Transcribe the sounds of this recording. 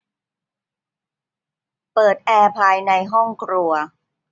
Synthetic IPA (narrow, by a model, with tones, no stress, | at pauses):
pɤː˨˩t̪̚ʔɛː˧pʰaː˧jna˧jɦɔ˥˩ŋkɾu˧ɐ